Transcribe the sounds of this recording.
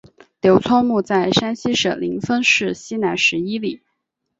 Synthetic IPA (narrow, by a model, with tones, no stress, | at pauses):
t̪jo˧˥ʊt͡sʰwɔ˥mu˥˧t͡sa˥˩ɪʂa˥nɕi˥ʂə̰˨˩li˧˥ŋfə˥nʂɻ̩˥˩ɕi˥na˧˥ɪʂɻ̩˧˥i˥li˨˩˦